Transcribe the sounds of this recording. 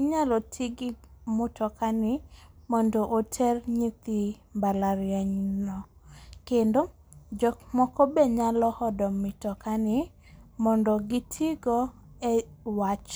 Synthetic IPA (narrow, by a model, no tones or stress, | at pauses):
ɪɲalɔtʰiɡɪmʊtʰɔkanɪmɔndɔʔotʰɛrɲit̪ibalaɾjɛɲnɔkendo | d͡ʒɔkmɔkɔbeɲalɔhɔdɔmɪtɔkanɪ | mɔndɔɡɪtʰiɡɔ | ewat͡ʃ